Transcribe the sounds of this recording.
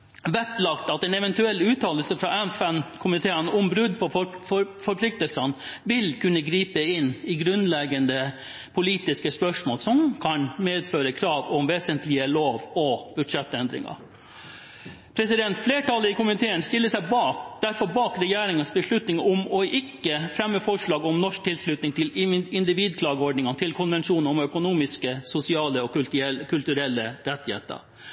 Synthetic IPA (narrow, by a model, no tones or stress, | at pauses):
ʋɛt̪lɑkt̪ɑt̪ɛnɛʋɛnt̪ʉɛlːʉːt̪ʰɑːləlsəfɾɑɛnfɛnkʰʊmɪt̪ʰeːənɔmbɾʉd̪pʰɔ | fɔɾpʰlɪk̚t̪əlsənʋɪlkʰʉnːəɡɾiːpəɪnːɪɡɾʉnlɛɡənd̪ə | pʰʊliːt̪ɪskəspœʂmoːlsɔmkʰɑnmeːd̪føːɾəkʰɾɑːʋɔmʋeːsənt̪lɪəloːʋɔb̥ʉʂɛt̪ːɛnd̪ɾɪ̰ŋɑ̰ | pʰɾɛsɪd̪ɛnt̪fleːʈɑlːəɪkʊmɪt̪ʰeːənst̪ɪlːəsæɪbɑːkd̪̥æɾfɔɾbɑːkɾɛjæːɾɪŋənsbəʂɭʉt̪nɪŋʊmɔʔɪkːəfɾɛmːəfɔʂɭɑːɡɔmnɔʂk̚t̪ʰɪlʂɭʉt̪nɪŋt̪ɪlɪɪnd̪ɪʋiːd̪kʰlɑːɡəɔɖnɪŋəɑnt̪ʰɪlkʰʊnʋɛnʂuːnɔmœkʊnuːmɪskəsʊsɪɑːləɔɛkʰʉlt̪ʉɾɛlːəɾɛt̪ːɪhḛːt̪ə̰ɾ